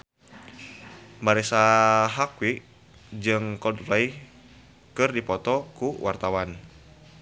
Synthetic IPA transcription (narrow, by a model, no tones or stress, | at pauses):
maɾɛsaɦakwi | d͡ʒɨŋkɔdlai | kɨrdipɔt̪ɔkuwart̪awan